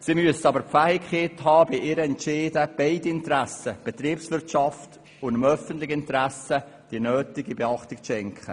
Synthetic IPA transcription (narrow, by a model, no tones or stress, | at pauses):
simyəsəɑbəɾpfæhɪkχeːtɦɑːb̥ɪʔɪːɾəɛntʃeːdəb̥eɪdiɪntɾæsəb̥et̪ɾiːpslɪtʃɑft | ʊndəmœfəntlɪxəɪntɾæsə | d̥iənøːtɪɡibeɑχtɪkʃɛŋkχə